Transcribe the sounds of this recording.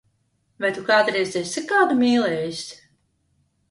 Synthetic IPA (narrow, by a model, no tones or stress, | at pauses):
vajt̪ukaːt̪ɾɛsd̪ʲɛsʲsikːaːd̪umʲiːlˠɛːjisʲ